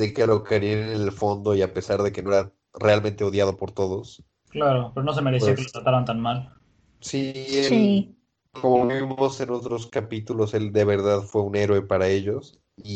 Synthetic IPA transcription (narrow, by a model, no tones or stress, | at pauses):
d̪ekelo̞keɾjeennelfo̞nd̪o̞iape̞saɾðe̞ke̞no̞eɾa | re̞almẽnt̪e̞o̞ðjað̞o̞po̞ɾt̪o̞ðo̞s | klaɾope̞ɾono̞s̬emeɾes̬iakelot̪ɾat̪aɾant̪anmal | siesli | ko̞moβiβimo̞se̞no̞t̪ɾo̞skapit̪ulo̞se̞ld̪e̞β̞e̞ɾðaðfwe̞une̞ɾoe̞paɾae̞ʝo̞s | i